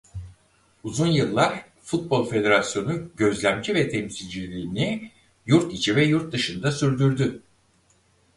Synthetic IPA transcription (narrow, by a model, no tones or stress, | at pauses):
uzunjɯlˠːaɾ | fut̪̚bo̞lʲˠfe̞d̪e̞ɾasjo̞nuɟø̞zlʲæmd͡ʒivɛt̪ʰɛmsilʲd͡ʒilʲiːni | juɾt̪it͡ʃʰivɛjuɾt̪̚d̪ɯʃɯnd̪asyɾd̪yɾd̪y